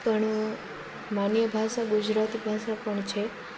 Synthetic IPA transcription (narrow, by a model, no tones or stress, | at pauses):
kəɳ | manjəbʱaʃaɡud͡ʒɾat̪ibʱaʃapəɳt͡ʃʰe